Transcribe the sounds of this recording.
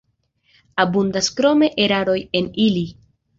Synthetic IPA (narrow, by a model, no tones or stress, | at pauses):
abundaskɾo̞me̞ʔeɾaɾo̞je̞nili